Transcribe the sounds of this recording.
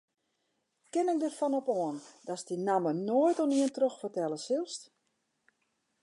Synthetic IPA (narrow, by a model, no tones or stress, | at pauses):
kɪnɪk̚dərfɔnɔpɔəndɔsdinamənoːjtɔniəntroxfərtɛlˠəsɪlˠst